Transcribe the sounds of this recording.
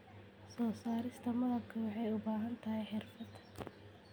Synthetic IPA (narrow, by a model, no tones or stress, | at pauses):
sɔːsaːɾɪst̪ʰɐmɐðɐkʰɐwɑħɛjʊbaːɦɐnt̪ʰɐɦɛjħɪrfɐd̪